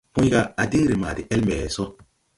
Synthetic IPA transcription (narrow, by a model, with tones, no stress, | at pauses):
pũ˦ɡa˦a˨di˦ŋɾi˨maː˨di˨ʔe˦lme˨so˦